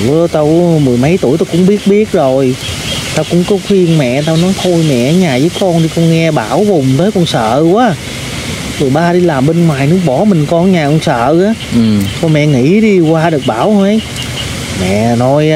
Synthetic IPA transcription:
t̪o˧wmɨ˨˩əjmə˨˦jt̪u˧˩əjt̪o˧wkʊ̰˧˥ŋ͡mɓi˦˥ət̚ɓi˦˥ət̚zo˨˩j | t̪aː˧wkʊ̰˧˥ŋ͡mkɔ˨˦xi˧ənmɛ̰˧˨t̪aː˧wnɔ˨˦jt̪ʰo˧jmɛ̰˧˨ə˨˦ɲaː˨˩zəː˨˦jkɔ˧nɗi˧˩kɔ˧nŋɛ˧ɓaː˧˩wvʊ˨˩ŋ͡mt̪əː˨˦jkɔ˧nsə̰ː˧˨waː˨˦ | zo˨əjɓaː˧ɗi˧laː˨˩mɓə˧nŋwaː˨˩jnɨ˦˥ək̚ɓɔ˧˩mï˨˩ŋ̟kɔ˧nɲaː˨˩kɔ˧nsə̰ː˧˨aː˨˦˨t̪ʰɔ˧mɛ̰˧˨ŋḭ˧˩˥ɗi˧kwaː˧ɗɨ˨˩ək̚ɓaː˧˩wə˨˦j | mɛ̰˧˨nɔ˧˦j

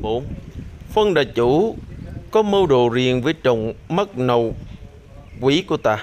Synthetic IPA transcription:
o˧˦fə˧nɗaː˨˩t͡ɕu˧˥˦kɔ˨˦mə˧wɗo̰˨˩zi˨˩ənvəː˨˦jt͡ɕə˨wŋ͡mmə˦˥k̚nə˨˩w | kwi˧˦ku˧˩ət̪a̰ː˨˩

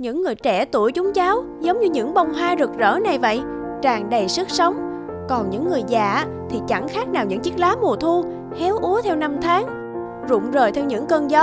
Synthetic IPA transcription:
ɲɨ̰˧˥ŋːɨ˨˩əjt͡ɕɛ˧˩t̪u˧˩əjt͡ɕʊ˨˦ŋ͡mzaː˨˦w | zə˨˦wŋ͡mɲɨ˧ɲɨ̰˧˥ŋɓə˧˩wŋ͡mɦaː˧zɨ˨˩ək̚zə̰ː˧˥na˨˩jvə̰˧˨j | t͡ɕaː˨˩ŋɗə˨˩jsɨ˦˥k̚sə˨˦wŋ͡m | kɔ˨˩nɲɨ̰˧˥ŋːɨ˨˩əjza̰ː˧˩ | t̪ʰi˨˩t͡ɕa˧˩ŋxaː˦˥k̚naː˨˩wɲɨ̰˧˥ŋt͡ɕi˦˥k̚laː˨˦mu˨˩ət̪ʰu˧ | hɛ˨˦wʔu˨˦ət̪ʰɛ˧wna˧mt̪ʰaː˨˦ŋ | zʊ̰˧˨ŋ͡mzəː˨˩jt̪ʰɛ˧wɲɨ̰˧˥ŋkəː˧nzɔ˦˥

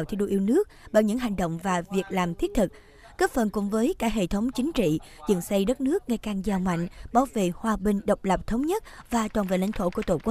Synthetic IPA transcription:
wt̪ʰi˧wɗṵ˧˨ʔi˧wnɨ˦˥ək̚ɓa̰ː˧˨wɲɨ̰˧˥ŋɦa˨˩jŋ̟ɗo̰˧˨wŋ͡mvaː˨˩vi˨˩ək̚laː˨˩mt̪ʰi˦˥ət̚t̪ʰɨ˨˩k̚ | kəː˦˥t̚fə˨˩nkʊ̰˧˥ŋ͡mvəː˨˦jkaː˧˥ɦḛ˧˨t̪ʰə˨˦wŋ͡mt͡ɕï˨˦ŋ̟t͡ɕḭ˧˨ | zɨ̰˧˨ŋsa˧jɗə˦˥t̚nɨ˦˥ək̚ŋa˧jka˨˩ŋzaː˨˩ma̰˧˨jŋ̟ɓaː˨˦wvḛ˧˨hwaː˧ɓï˨˩ŋ̟ɗə˨˩wk͡p̚lə˨˩p̚t̪ʰə˨˦wŋ͡mɲə˦˥t̚vaː˨˩t͡ɕwaː˨˩nvḛ˧˨la̰˧˥ŋ̟t̪ʰo̰˧˥ku˧˩ət̪o˧˩kwu˦˥

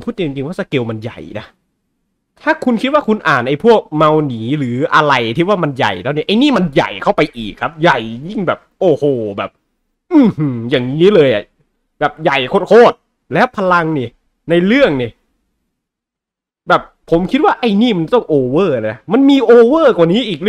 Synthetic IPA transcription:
mʰpʰu˥˩t̪̚ːi˧˨˧t͡ɕi˧ŋwaː˥˩sa˧˩ke˧wma˧nja̰˨˩jna˦˥ | t̪ʰaː˥˩kʰu˧nkʰi˦˥t̪̚waː˥˩kʰu˧nʔaː˨˩nʔa˧jpʰu˥˩ək̚ma˧wniː˩˦ɾɯː˩˦ʔa˧ɾa˧jt̪ʰiː˦˥˩waː˥˩ma˧nja̰˨˩jt̪ʰaː˧˥˩ni˦˥˩ʔa˧jniː˥˩ma˧nja̰˨˩jkʰa˥˩wpa˧jʔiː˨˩kʰːa˦˥p̚ja˨˩jji˥˩ŋbɛː˨˩p̚ʔoː˧˩hoː˨˩bɛː˨˩p̚ | ʔɯː˧˩hɯ˧˩jaː˨˩ŋn˦iː˦˥lɤː˧jʔa̰˨˩ | bɛː˨˩p̚ja˨˩jkʰo˦˥t̪̚kʰoː˥˩t̪̚ | lɛː˦˥wpʰa˧la˧ŋniː˧˩ | na˧jɾɯ˥˩əŋniː˧˩ | bɛː˨˩p̚ʰːo˩˦mkʰi˦˥t̪̚waː˥˩ʔa˧˩jniː˥˩ma˧nt̪ɔ˥˩ŋʔoː˧wɤː˥˩laː˧na˦˥ma˧nmiː˧ʔoː˧wɤː˥˩kwaː˨˩niː˦˥ʔiː˨˩k̚ɯ˥

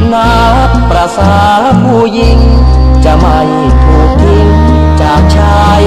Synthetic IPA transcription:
na˧ | pɾa˧sa˧ | bu˧ji˧ŋ | t͡ɕa˧ma˧j | kʰo˨˦t̪ʰi˧ŋ | t͡ɕa˨˧˩t͡ɕʰa˧ | j

